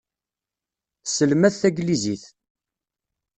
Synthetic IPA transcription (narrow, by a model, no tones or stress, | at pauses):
səlmæθθæɡliziθ